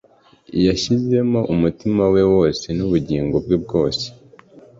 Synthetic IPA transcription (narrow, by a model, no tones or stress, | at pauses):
ijaʃize̞moʔumutimawe̞wo̞ːse̞nuβuɟiːŋɡo̞bɡib̚ɡo̞ːse̥